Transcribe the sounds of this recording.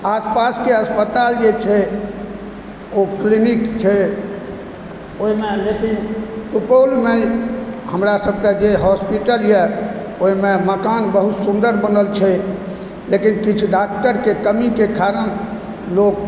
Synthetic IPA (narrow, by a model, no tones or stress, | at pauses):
aspaskeəspət̪ald͡ʒet͡ʃʰɛ | oklinikt͡ʃʰɛ | oimelekinsupolme | ɦəmɾasəb̚ʱked͡ʒeɦɔspiʈəljɛ | oɦimeməkanbəɦut̪sund̪əɾbənəlt͡ʃʰɛ | lekinkit͡ʃʰuɖak̚ʈəɾkekəmikekaɾən | lok